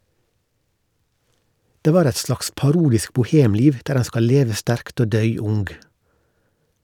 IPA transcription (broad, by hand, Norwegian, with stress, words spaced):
ˈdeː ˈʋɑːɾ ˈɛt ˈslɑːks pɑˈɾuːdɪsk bʊˈheːmˌliːʋ ˈdæːɾ ˈæɪn ˈskɑl ˈleːʋə ˈstæɾkt ˈoː ˈdœʏ ˈʊŋɡ